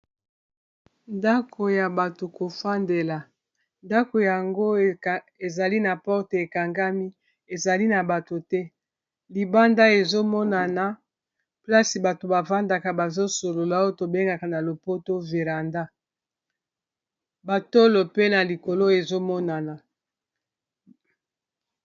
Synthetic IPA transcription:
nda˦kʰo˨ja˨ba˨to˨ko˨fa˦nde˨la˨ | nda˦ko˨ja˨ŋɡo˦ | e˨za˨li˦na˨pɔ˦ʁte˨e˨ka˨ŋɡa˦mi˦ | e˨za˨li˦na˨ba˨to˨tɛ˦ | li˨ba˦nda˦e˨zo˦mɔ˦na˨na˨ | pla˦si˨ba˨to˨ba˨va˦nda˨ka˨ba˨zo˦so˨lo˨la˨˦o˦to˨be˦ŋɡa˨ka˨na˨lo˨po˦to˦ve˨ʁa˨nda˦ | ba˨to˦lo˨pe˦na˨li˨ko˨lo˦e˨zo˦mɔ˦na˨na˨

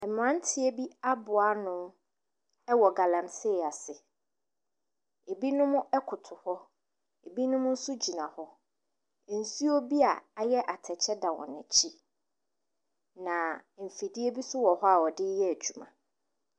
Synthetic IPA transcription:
ɛ˨mʊ̃˨ã˦n˦tʰɪ˨˦e˦bi˦a˦bʊ˨a˦nʊ̃˦m | ɛ˦wɔ˨ɡa˨lã˨msɪː˦˨a˨sɪ˨ | e˨bi˦nʊ̃˦mʊ̃˦ʔɛ˦kʰʊ˨tʰʊ˨hɔ˦ | e˨bi˦nʊ̃˦mʊ̃˦n̩˦sʊ˦d͡ʑi˨nã˨hɔ˦˨ | n̩˨su˦o˦bi˦a˨a˨jɛ˦ʔa˨tʰɛ˨t͡ɕʰɛ˦dã˨wɔ̰̃˨næ̃˨t͡ɕʰi˦ | nã˨m̩˨fi˨di˦e˦bi˦sʊ˦wɔ˨hɔ˦a˨wɔ˨dɪ˦jɛ˦æ˨d͡ʑᶣu˨mã̰˨

